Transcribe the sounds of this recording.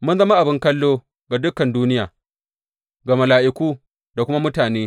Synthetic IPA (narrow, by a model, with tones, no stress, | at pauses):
mʊ˦nzɐ˦ma˦ʔa˨bɪ˦ŋkɐ˦lːoː˦ | ɡa˨dʊ˦kːɐ˨nduː˦nɪ˦jaː˨ | ɡa˨mɐ˨laː˨ʔɪ˦˨kʷuː˦ | da˨kʷʊ˦ma˦mʊ˦taː˨neː˦